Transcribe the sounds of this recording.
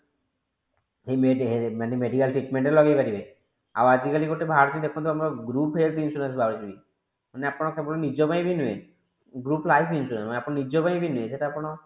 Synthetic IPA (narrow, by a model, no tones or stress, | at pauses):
hemeɦemanemeɖikalʈɾiʈmeɳʈeɾlɔɡejpaɾibe | a̰ad͡ʒikalikoʈebʱaɾt̪ind̪ekʰɔnt̪ʰamɾɔɡɾupɦeltinsʈuɾẽnsbʱaɾt͡ʃibi | maneapɔɽɔkʰebɔlɔnid͡ʒɔbajbinue | ɡɾuplajpʰinstuɽẽnsanapɔ̃ɽ̃ɔnid͡ʒɔbajbinueseʈaapɔɽ̃ɔ